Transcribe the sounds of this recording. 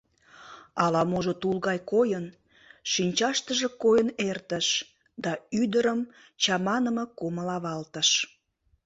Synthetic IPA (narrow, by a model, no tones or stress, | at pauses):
ɑlɑmoʒot̪ulɣɑjkojən | ʃinʲt͡ɕɑʃt̪əʒekojənert̪əʃ | d̪ɑyd̪əɾəm | t͡ɕɑmɑnəməkoməlɑβɑlt̪əʃ